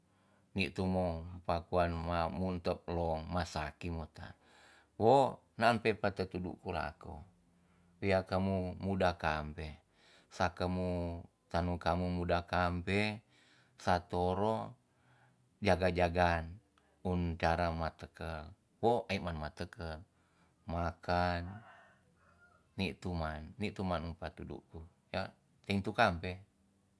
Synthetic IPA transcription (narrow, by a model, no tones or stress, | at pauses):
nit̪umopakuanmamunt̪əp̚lɔŋmasakimot̪a̰ | wo | naːnpepat̪ət̪udṵkula̰ko | wiakəmumudakampe | sakəmu | t̪anukamumudakampe | sat̪oɾo | d͡ʒaɡad͡ʒaɡan | unt͡ʃaɾamat̪əkə | woaimanmat̪əkə | makan | iʔt̪umanːiʔt̪umanunpat̪udṵku | ja | t̪ɛŋt̪ukampe